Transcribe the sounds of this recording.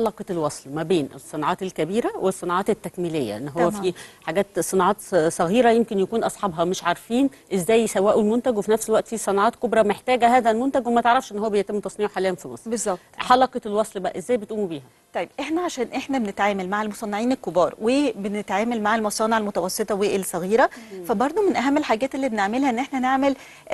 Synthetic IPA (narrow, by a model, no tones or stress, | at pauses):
ħɑlɑqet̪elwɑsˤlmæbeːnʔḛsˤːenɑʕɑːt̪elkæbiːɾæwesˤːenɑʕɑːt̪et̪ːækmiːlejːæ̰ʔenːɦowːæfiħaɡæːt̪sˤenɑʕɑːt̪sˤɑɣiːɾæjemkenjækuːnʔɑsˤħɑbɦɑmeʃʕɑɾˤfiːn | ʔezːæːjsæwæːʔulmont̪æɡwefinæfselwæʔt̪fiːsˤɑnɑʕɑːt̪kobɾˤɑmeħt̪æːɡæhæːðælmont̪æɡwemæt̪eʕɾˤɑfʃʔenːhowːæbejet̪emːt̪ɑsˤniːʕoħalejænfimɑ̰sˤbezːɑb | ħɑlɑqet̪lwɑsˤlbæʔæʔezːæːjbet̪ʔuːmbiːhæ | t̪ˤɑjːebʔeħnæʕaʃæːnʔeħnæbenet̪ʕaːmælmaʕelmosˤɑnːeʕiːnelkobɑːɾˤwebenet̪ʕaːmælmaʕelmɑsˤɑːneʕelmot̪æwɑsˤːet̪ˤɑweʔelsˤɑɣiːɾæfæbɑɾˤd̪ˤomenʔæɦæmːelħaːɡæːt̪elːiːbeneʕmelhæʔenːʔeħnæneʕmel